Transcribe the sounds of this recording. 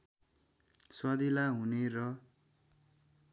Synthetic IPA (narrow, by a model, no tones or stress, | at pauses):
swad̪ilaɦunerʌ